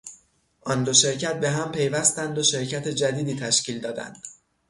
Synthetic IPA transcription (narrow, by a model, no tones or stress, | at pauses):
ʔɒnd̪oʃe̞ɾcʰæt̪̚be̞ɦæmpʰe̞jvæst̪ænd̪oʃe̞ɾcʰæt̪ʰed͡ʒæd̪iːd̪iːt̪ʰæʃciːld̪ɒːd̪æ̰nd̪̥